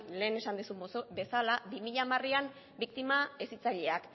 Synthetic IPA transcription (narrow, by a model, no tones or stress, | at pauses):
le̞ːne̞sand̪esube̞salabimiʎamariam | bikt̪imaesit͡saʎe̞ak